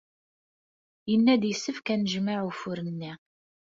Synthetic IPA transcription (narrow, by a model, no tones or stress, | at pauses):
jənːæd̪jəsːəfkænəʒmaʕufʊɾənːi